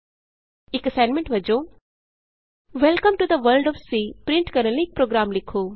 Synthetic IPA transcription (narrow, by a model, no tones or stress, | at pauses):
ɪkɐsãɪnmẽɳʈʋɐd͡ʒo | ʋɛlkəmʈud̪əʋəɾlɖɔːfsiːpɾɪ̃ɳʈkɐɾə̃nleɪk̚pɾoːɡɾaːmlɪkʰoː